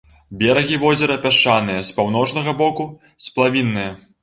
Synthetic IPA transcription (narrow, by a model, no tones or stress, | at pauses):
bʲɛɾɐɣʲivɔzʲɛɾɐpʲaʂt͡ʂːanɨjɐspawn̪ɔt͡ʂnɐɣɐbɔku | splˠavʲinːɨjɐ